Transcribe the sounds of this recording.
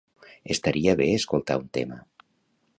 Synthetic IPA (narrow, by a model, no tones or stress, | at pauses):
est̪aɾiaβeeskolˠt̪a̰unt̪ḛma